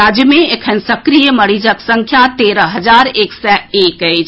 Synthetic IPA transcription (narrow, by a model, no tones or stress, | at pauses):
aːd͡ʒjəmẽekʰənsəkɾijəməɽid͡ʒəksə̃ŋkʰjat̪eːɾəɦəd͡ʒaːɾeksɛeːkəɪt͡ʃʰ